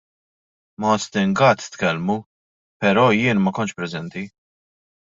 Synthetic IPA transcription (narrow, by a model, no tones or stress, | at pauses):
mɔst̪ɪŋɡɐt̪t̪kɛlmu | pɛɾɔːjɪːnmɐkɔnt͡ʃpɾɛzɛnt̪i